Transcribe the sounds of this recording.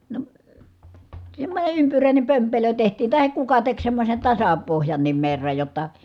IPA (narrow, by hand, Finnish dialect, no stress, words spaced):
no semːonʲe ympyræˑine pømpelø tehtiː tɑhek kukɑ tek semːosen tɑsɑ pohjɑnːim merːɑj jotːɑ